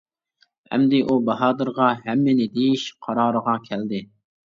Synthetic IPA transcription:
hɛ̰md̪ɪʔubɑɦɑːd̪ɨɾʁɑɦɛmːɪnɪd̪ejiʃqʰɑɾɑːɾəʁɑkʲʰæld̪ɪ

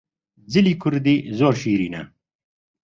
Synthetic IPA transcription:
ziliːkʰʊɾd̪iːzoːɾʃiːɾiːnɛ̰

